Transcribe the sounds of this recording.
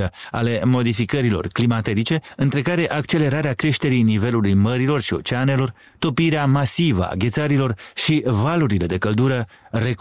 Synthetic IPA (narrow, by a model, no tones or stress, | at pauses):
əa̰le̞mo̞d̪ifikəɾilo̞̰rklimat̪eɾit͡ʃe̞ɨnt̪ɾe̞kaɾe̞ʔak̚t͡ʃe̞le̞ɾaɾeakɾe̞ʃt̪e̞ɾijnive̞lulujməɾilo̞rʃio̞̰t͡ʃeane̞lo̞r | t̪o̞piɾeamasivə̰a̰ɡʲe̞t̪saɾilo̞rʃivaluɾile̞d̪e̞kəld̪uɾə | ɾe̞k